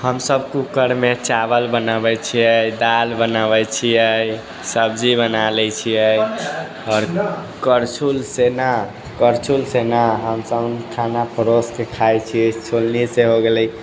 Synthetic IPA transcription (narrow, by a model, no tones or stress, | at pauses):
həmsəbkukəɾmet͡ʃabəlbənabɛt͡ʃʰiəjd̪albənaβɛt͡ʃʰiəj | səbd͡ʒibənalɛt͡ʃʰiəj | ɔːɾ | kəɾt͡ʃʰulsena | kəɾt͡ʃʰulsenaɦəmsəbnkʰanapʰəɾoskekʰajt͡ʃʰit͡ʃʰolniseɦoɡeləi